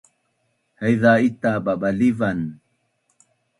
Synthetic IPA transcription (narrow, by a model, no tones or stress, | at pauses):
hajðait̪aɓaɓalivan